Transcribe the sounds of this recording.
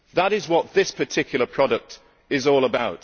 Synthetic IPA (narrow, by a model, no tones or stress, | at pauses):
ðəɾɪzwɒt̪̚ðɪspʰətʰɪkʰjl̩ˠəpʰɹ̥ɒɾək̚t | ɪzɔːlˠəbaʊt